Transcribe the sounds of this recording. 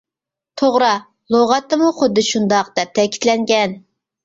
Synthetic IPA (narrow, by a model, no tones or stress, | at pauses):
t̪ʰoʁɾɑ | lˠoʁɑt̪ːɨmuχʊd̪ːɨʃund̪ɑq̚d̪̥ɛp̚t̪ʰɛkʲʰi̥t̪lɛŋɡʲɛn